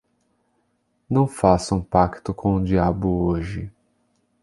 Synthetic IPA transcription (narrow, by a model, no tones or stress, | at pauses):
nɐ̃w̃fasʊũpakt̪ʊkʰõʊ̃d͡ʒiabʊoʒɪ